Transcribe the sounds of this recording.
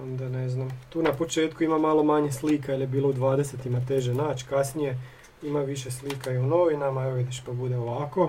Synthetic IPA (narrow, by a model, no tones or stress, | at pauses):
o̞nd̪ane̞znamt̪uːnapo̞t͡ʃe̞ːt̪kuimamalo̞maɲesliːkailjebiːlˠo̞ud̪ʋaːd̪eset̪imat̪e̞ʒenaːt͡ʃkasnije̞ | imaʋiʃeslikaiunoʋinamaeʋoid̪eʃpabud̪e̞o̞ʋako̞